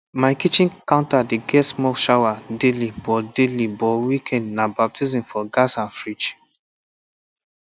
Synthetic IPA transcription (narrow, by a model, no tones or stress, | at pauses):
maɪkit͡ʃĩnkãʊ̃ntadeɡɛtsmɔʃawadelibɔdelibɔwikʰɛ̃ndnabap̚tʰizĩmfɔɡasãnfɹit͡ʃ